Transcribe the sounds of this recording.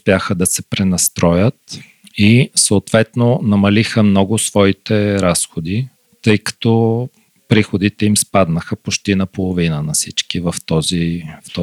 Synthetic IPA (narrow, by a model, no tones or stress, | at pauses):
spʲjaxəd̪ɐsɛpɾɛnɐst̪ɾʔɔjət̪ | isoːt̪vɛt̪nonɐmɐlixəmnɔɡʊsvɔit̪ɛɾasxod̪i | t̪ɤjkɐ̥t̪ɔ | pɾixod̪it̪ɛimspad̪nəxəpot͡ʃt̪inɐpolˠovinənɐsit͡ʃkivɐft̪ɔzift̪ɔ